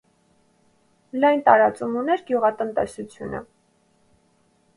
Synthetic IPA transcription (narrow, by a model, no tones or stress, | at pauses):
lɑjnt̪ɑɾɑt͡sumunɛɾɡjuʁɑt̪ənt̪ɛsut͡sʰjunʔə̰